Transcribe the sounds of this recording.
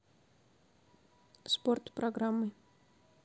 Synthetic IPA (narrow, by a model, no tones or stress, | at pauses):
sport̪pɾʔɐɡɾamːɨ